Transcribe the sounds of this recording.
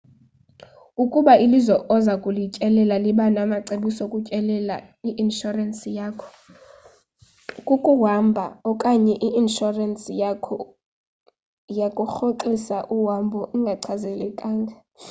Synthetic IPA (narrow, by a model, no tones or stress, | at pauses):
ukʼuɓaʔilizɔʔɔzakʼulicʼɛlɛlaliɓanamaǀeɓisokʼucʼɛlɛlaiʔinʃɔransijaːkʰɔ̥ | kʼukʼuwambʱa̰ɔkʼaɲɛʔiʔinʃɔransʰ | jakʼuxoǃisaʔuwambʱɔʔiŋɡʱaǀʰazɛlɛkʼaːŋɡʱa